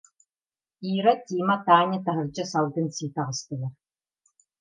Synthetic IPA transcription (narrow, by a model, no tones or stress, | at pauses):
iːɾɐtʰiːmɐtʰaːnʲɐtʰɐɦɨrd͡ʒɐsɐlɡɨnsiːtʰɐʁəstʰɨɣʲɐr